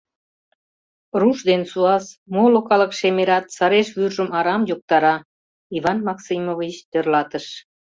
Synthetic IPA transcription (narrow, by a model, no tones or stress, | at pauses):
ruʃd̪ensuɑsmolokɑləkʃemeɾɑt̪sɑɾeʃβyrʒəmɑɾɑmjok̚t̪ɑɾɑ | ivɑnmɑksimovit͡ɕt̪ørlɑt̪əʃ